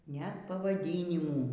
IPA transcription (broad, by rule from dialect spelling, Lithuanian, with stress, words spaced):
nʲɛt pɐʋɐˈdʲiːnʲɪmuː